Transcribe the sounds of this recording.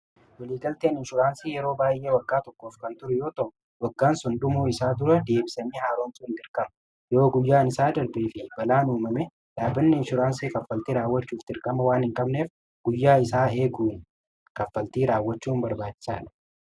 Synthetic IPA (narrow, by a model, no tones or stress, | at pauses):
wɐliːɡɐlt̪eːnɪnʃʊɾaːnsiːjɛɾo̞ːbaːjʔe̞ːwɐɡːaːt̪ɔkːoːfkɐnt̪ʊɾʊjo̞ːt̪ɔ | wɐɡːaːnsʊnd̪ʊmuːɪsaːd̪ʊɾɐd̪e̞ːbɪsɐnːiːhaːɾoːnt̪uːnd̪ɪɾkʼɐmɐ | jɛoːɡʊjːaːnɪsaːd̪ɐɾbeːfɪbɐlaːnuːmɐmɛ | ᶑaːbɐnːɪːnʃʊɾaːnsiːkɐfːɐlt̪iːɾaːwːɐt͡ʃːuːft̪ɪɾkʼɐmɐwaːnhɪŋkʼɐbneːf | ɡ̥ʊjːaːɪsaːe̞ːɡuːn | kɐfːɐlt̪iːɾaːwːɐt͡ʃːuːnbɐɾbaːt͡ʃːɪ̥sa̰ːᶑɐ̥